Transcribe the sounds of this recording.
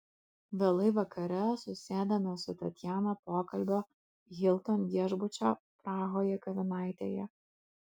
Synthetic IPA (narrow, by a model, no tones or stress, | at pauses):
ʋʲɛlˠɐɪʋɐkʰɐɾʲɛsʊsʲeːd̪ʲɐmʲɛsʊt̪ɐt̪ʲjæːnopoːkɐlʲbʲo | ɣʲɪlˠt̪oːnjiɛʒbʊt͡ʃʲoːpɾɑːɣoːjɛkɐʋʲɪnɑˑɪt̪ʲḛjɛ